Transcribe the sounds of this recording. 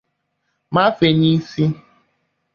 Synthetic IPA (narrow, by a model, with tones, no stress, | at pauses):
ma˦fe˨ɲi˦si˦